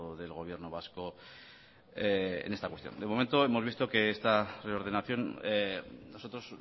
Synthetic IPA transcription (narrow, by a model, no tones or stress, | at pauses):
ðelɣo̞βje̞ɾnoβasko̞ | eḛnest̪akwet̪jo̰nd̪e̞mo̞ment̪o̞e̞mo̞zβist̪o̞ke̞est̪are̞oɾðe̞naθjo̞n | noso̞t̪ɾo̞s